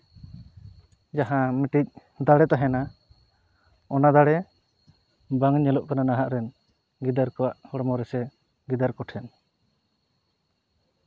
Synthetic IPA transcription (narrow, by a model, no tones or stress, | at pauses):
d͡ʒaɦãmɛʈic̚ | d̪aɽɛt̪aɦɛna | ɔnad̪aɽɛ | baŋɲɛlɔʔkananaɦaʔɾɛn | ɡid̪aɾkɔwaʔhɔɽɔmɔɾɛsɛ | ɡid̪aɾkɔʈʰɛn